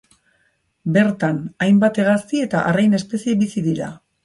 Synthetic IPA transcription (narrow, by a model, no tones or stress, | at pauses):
be̞ɾt̪anajmbat̪e̞ɣaskie̞t̪aʔarajne̞spe̞sie̞bisiðiɾa̰